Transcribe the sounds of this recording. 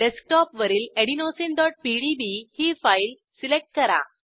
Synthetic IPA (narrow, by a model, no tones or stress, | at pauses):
ɖesk̚ʈɔpʋəɾiːleɽinosinɖɔʈ̚piɽibihiːfail | silek̚ʈ̚kəɾa̰